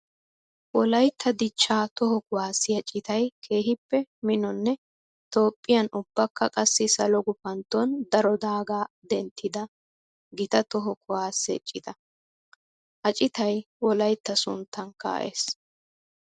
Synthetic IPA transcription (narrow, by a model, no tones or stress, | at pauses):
wɔlɐjt̪ʰːɐd̪ɪt͡ʃːaːt̪ɔɦɔkʊwaːsːɪjɐt͡ʃʼɪt̪ɐjkʰe̞ːɦɪpːɛmɪnɔnːɛ | t̪o̞ːpʼːɪjɐnʊbːɐkːɐkʼɐsːɪsɐlɔɡʊpɐnt̪ːond̪ɐɾɔd̪aːɡaː | d̪ɛnt̪ʰːɪd̪ɐ | ɡɪt̪ɐt̪ɔɦɔkʊwaːsːɛ̰t͡ʃʼːɪt̪ɐ | ʔɐt͡ʃʼɪt̪ɐj | wɔlɐjt̪ːɐsʊ̰nt̪ːɐnkːa̰ːʔḛːs